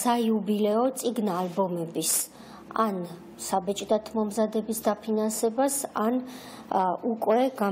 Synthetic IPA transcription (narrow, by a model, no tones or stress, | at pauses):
saiubilɛɔt̪sʼiɡnaːlbɔmɛbis | an | sabɛt͡ʃʼd̪at̪ʰmɔmzad̪ɛbisd̪apʰinansɛbasan | ukʼwɛɡa